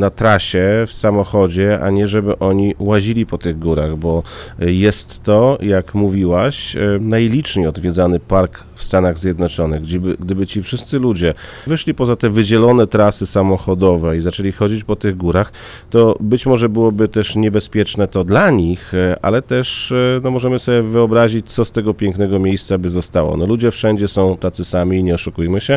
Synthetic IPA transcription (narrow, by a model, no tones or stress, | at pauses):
nat̪ɾaɕɛfsamɔxɔd͡ʑɛa̰ɲɛʐɛbɘʔɔɲiwaʑilʲipɔt̪ɘɣɡuɾaɣbɔjɛst̪ːɔjakmuvʲiwaɕnajlʲit͡ʂɲejɔd̪vʲjɛd̪zanɘpaɾk | fst̪anaɣzʲjɛd̪nɔt͡ʂɔnɘɣɡd͡ʑibɘɡ̚d̪ɘbɘt͡ɕifʂɘst̪sɘlud͡ʑɛ | vɘʂlʲipɔzat̪ɛvɘd͡ʑɛlɔnɛt̪ɾasɘsamɔxɔd̪ɔvɛizat͡ʂɛlʲixɔd͡ʑit͡ɕpɔt̪ɘɣɡuɾax | t̪ɔbɘt͡ɕmɔʐɛbɘwɔbɘt̪ɛʂɲɛbɛspʲjɛt͡ʂnɛt̪ɔd̪laɲixʔa̰lɛt̪ɛʂnɔmɔʐɛmɘsɔbʲjɛvɘɔbɾaʑit͡ɕt̪sɔst̪ɛɡɔpʲjɛŋknɛɡɔmʲjejst̪sabɘzɔst̪awɔ̰nɔlud͡ʑɛfʂɛɲd͡ʑɛsɔ̃w̃t̪at̪sɘsamʲiːɲɛɔʂukujmɘɕɛ